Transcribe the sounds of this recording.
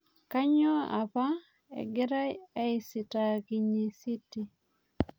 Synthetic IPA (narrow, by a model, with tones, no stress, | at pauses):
ka˦ɲɔ˦a̰˨pa˦ | ɛ̰˨ɡɪ˦ɾa˦e˦ɪ˨si˨ta˨ki˨ɲi˨si˦ti˦